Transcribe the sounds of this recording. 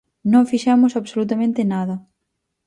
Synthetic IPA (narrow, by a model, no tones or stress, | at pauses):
nõŋfiʃɛmʊsaβsolut̪amẽnt̪ɪnaðɐ